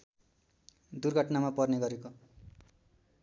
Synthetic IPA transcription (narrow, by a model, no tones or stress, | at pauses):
d̪urɡʱʌʈnamapʌrneɡʌɾeko